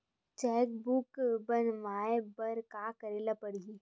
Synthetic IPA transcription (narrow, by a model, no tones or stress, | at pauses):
t͡ʃɛːk̚bukbənʋaːebɐɾkaːkəɾeːlapəɽi